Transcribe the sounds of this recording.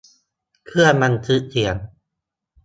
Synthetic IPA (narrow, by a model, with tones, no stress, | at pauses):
kʰɯ˥˩ɐma˧nt̪ʰɯ˦˥ʔt̪ʰi˨˩˦ən